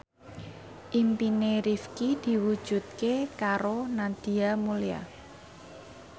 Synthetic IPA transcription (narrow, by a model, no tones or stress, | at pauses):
ʔimpineɾifkid̪̥i̤wud̥ʒ̥ṳt̪̚kekaɾonad̪̥i̤amulia̰